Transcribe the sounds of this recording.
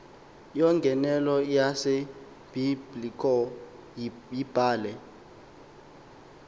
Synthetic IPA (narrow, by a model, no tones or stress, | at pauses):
jɔŋɡʱɛnɛlɔjase | b̥iblikʰɔ | ib̥ʱaːlɛ